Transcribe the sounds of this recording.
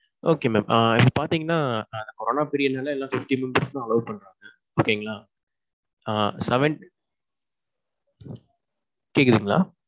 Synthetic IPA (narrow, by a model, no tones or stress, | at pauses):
oːkeːmeːmʔːɪpːɐpaːɾt̪iːŋɡɐnːaːɐnd̪ɐkɔɾoːnaːpɪɾɪjɐnaːlɐɛlːãːfɪfʈiːmɪnbɐɾst̪ãːɐlɐʊpɐɳːɾaːŋɡɐ | oːkeːŋɡɐlaː | sɛʋɛɳʈ | keːkðiːŋɡɐɭa̰ː